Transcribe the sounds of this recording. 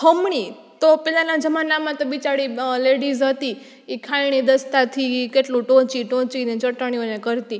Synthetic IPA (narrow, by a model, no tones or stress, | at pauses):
həmɳ̃i | t̪opɛlanãd͡ʒəmanːamãt̪obit͡ʃaɽileɽizɦət̪i | ekʰajɳ̃id̪əst̪at̪ʰikeʈlũʈõt͡ʃiʈõt͡ʃinet͡ʃəʈəɳ̃ionekəɾt̪i